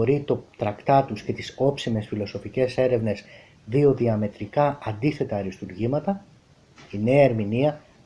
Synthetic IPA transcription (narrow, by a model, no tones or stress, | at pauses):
oɾit̪o̞t̪ɾɐkt̪ɐt̪usce̞t̪iso̞psime̞sfilo̞so̞fice̞se̞ɾe̞vne̞s | ðio̞ðiɐme̞t̪ɾikɐɐnd̪iθe̞t̪ɐɾist̪uɾʝimɐt̪ɐ | ine̞ɐeɾminiɐ